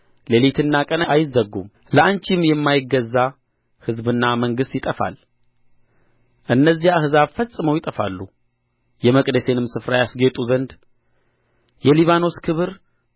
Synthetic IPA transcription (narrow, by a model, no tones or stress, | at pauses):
lelit̪ʰɨnːakʼənaajɪzːəɡːṵm | ləʔant͡ʃimjɛmːajɪɡːəzːa | hɨzbɨnːaməŋɡɨst̪jɪt̪ʼəfa̰l | ʔɨnːəzːiaahɨzaβfəsʼɨməwjɪt̪ʼəfa̰lːu | jɛməkʼd̪əse̞nɨmsɨfɾajasɡet̪ʼuzənd̪ | jɛliβano̞skʰɨβɨɾ